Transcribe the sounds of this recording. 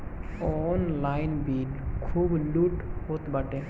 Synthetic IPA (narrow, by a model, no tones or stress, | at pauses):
ɔnlajnbiɖkʰuːbluːʈhot̪baʈe